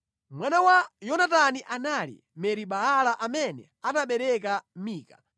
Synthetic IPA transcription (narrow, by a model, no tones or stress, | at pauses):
mwanawajɔnataniʔanalḭ | mɛɾiɓaɦalaʔamɛnɛ | ataɓɛɾɛk̬amiːka̰